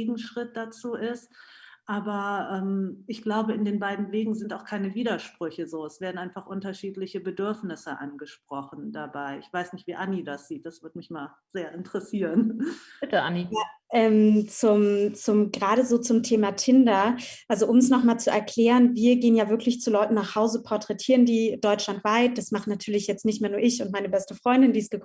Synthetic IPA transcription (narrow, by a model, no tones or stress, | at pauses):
ɡŋ̩ʃʁ̥ɪt̚d̥at͡suːʔɪstʔaːbɐʔɛːmʔɪçɡ̥laʊbəɪndeːnbaɪdn̩veːɡŋ̩zɪntaʊxkʰaɪnəviːdɐʃpʁ̥ʏçəzoːɛsv̥eːɐdn̩ʔaɪnfaχʔʊntɐʃiːtlɪçəbədʏɐfnɪsəʔa̰nɡəʃpʁ̥ɔχn̩dabaɪʔɪ̰çv̥aɪsnɪçtv̥iːʔanidasz̥iːt̚d̥asv̥ɪɐtmɪçmaːl | z̥eːɐʔɪntʁ̥əsiːʁənb̥ɪtəʔa̰nijaːʔɛːmt͡sʊmt͡sʊmɡʁaːɾəzoːt͡sʊmtʰeːmatʰɪndɐʔalzoʔʊmɛsnɔχmaːlt͡suɛɐkʰl̥ɛːʁənviːɐɡeːənjaːvɪɐklɪçt͡sulɔʏtn̩naːχhaʊzəpʰɔɐtʁ̥ɛtʰiːʁəndiːd̥ɔʏt͡ʃlantv̥aɪt̚d̥asmaχnatʰyːɐlɪçjɛt͡stnɪçtmeːɐnuːɐʔɪçʊnt̚maɪnəbɛstəfʁ̥ɔʏndɪndiːɪsɡ̥əkʰ